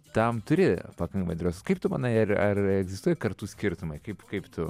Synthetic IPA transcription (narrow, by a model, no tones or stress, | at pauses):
t̪ɐmt̪ʊɾʲɪpɐkɐŋkɐmɐɪd̪ɾoːsʲskɐɪp̚t̪ʊmɐnɐɪɐrɐrɛɡzʲɪst̪uɔjɛkɐɾt̪uːsʲkʲɪɾt̪ʊmɐɪkɐɪpkɐɪpt̪ʊ